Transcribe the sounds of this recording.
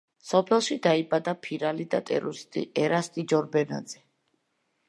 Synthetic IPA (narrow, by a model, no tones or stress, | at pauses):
sɔpʰɛlˠʃid̪aibad̪apʰiɾalid̪at̪ʼɛ̰ɾust̪ʼḭɛɾast̪ʼid͡ʒɔɾbɛna̰d̪zɛ